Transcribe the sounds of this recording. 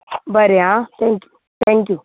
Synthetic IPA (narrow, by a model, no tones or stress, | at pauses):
bəɾeãt̪ʰɛ̃ŋkju̥ | t̪ʰɛ̃ŋkju